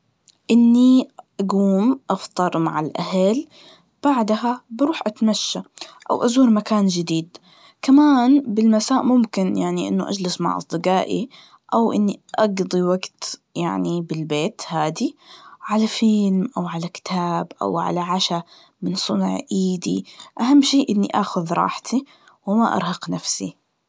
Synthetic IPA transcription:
ʔɪnːiʔaɡuːmʔɑft̪ˤɑɾˤmaʕalʔahal | b̥aʕd̪habɪɾuːħʔat̪maʃːaʔa̰wʔazuːɾmakaːnd͡ʒɪd̪iːd̪ | kamaːnbɪlmasaːʔmʊmkɪnjaʕniʔɪ̰nːʊʔa̰d͡ʒlɪsma̰ʕʔɑ̰sˤd̪ˤɨqɑːʔḭ | ʔawʔɪ̰nːiʔɑɡd̪ˤiwaɡt̪jaʕnibɪlbeːt̪haːd̪iʕalafɪlmʔawʕalakɪ̥t̪ʰaːbʔa̰wʕa̰laʕaʃa | mɪnsˤʊnʕʔiːd̪ḭʔaɦamːʃiːʔɪnːḭʔaːxʊðɾˤɑ̰ːħt̪ʰi | wɪma̰ʔɑ̰ɾˤhɑqnafsḭ

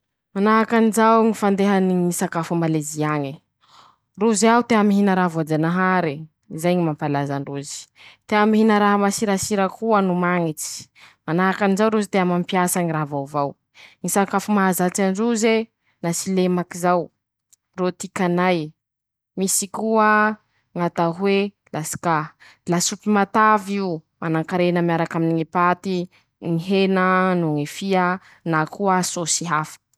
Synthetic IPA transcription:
manaɦakanizawŋifand̪eɦaniŋisakafumaleziaɲi | ruziaut̪eamiɦinaɾavoad͡ʒanaɦaɾi | izajɲimampalazaɳɖ͡ʐuzi̥t̪eamiɦinəɾaɦamasiɾasiɾakuanumaŋit͡si̥manaɦakanizawɾuzit̪eamampjasaɲiraɦvawvaw | ŋisakafumaazat͡saɳɖ͡ʐuze | nasilemakizaw | rot̪ikʲanaj | misikuə | ŋat̪aɦwe | lasi̥ka | lasupimat̪aviumanaŋkaɾenəmjaɾakaminiŋipat̪i | ŋiɦenənuŋefia | nakuəsosiɦafə̥

